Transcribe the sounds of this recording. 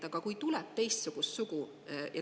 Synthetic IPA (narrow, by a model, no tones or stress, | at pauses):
t̪ɑɡ̥ɑkujt̪ulɛb̚t̪e̞jst̪suɡ̥ust̪suɡ̥u | jʔɑ